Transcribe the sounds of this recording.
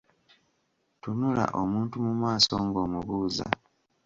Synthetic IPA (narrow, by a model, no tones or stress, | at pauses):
tunula̰ʔomuːntumumaːso̞ŋɡo̞ːmuβuːza̰